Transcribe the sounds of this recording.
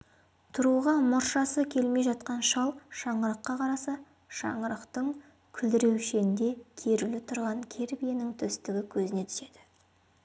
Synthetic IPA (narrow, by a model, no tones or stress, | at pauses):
t̪ʰʊɾuʁɑmʊɾʃɑsəkʲʰe̞lme̞jʒɑt̪̚qɑnʃɑlˠʃɑɴəɾəqːɑqʰɑɾɑsɑ | ʃɑ̰ɴəɾəqt̪əɴ | kʲʰʏld̪ɪɾe̞wʃeɪnd̪e̞kʲʰe̞ɾulɪt̪ʰʊɾʁɑŋkʲʰe̞ɾbijenɪŋt̪ʰʏst̪ɪɡʲɪkʲʰɵzɪne̞t̪ʰʏ̥se̞d̪̥ɪ̥